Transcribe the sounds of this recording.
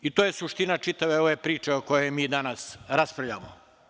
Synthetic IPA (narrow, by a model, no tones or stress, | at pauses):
it̪oje̞suʃt̪inat͡ʃit̪aʋeoʋepɾiːt͡ʃeoko̞jemiːd̪anasɾaspɾaʋʎa̰ːmo̰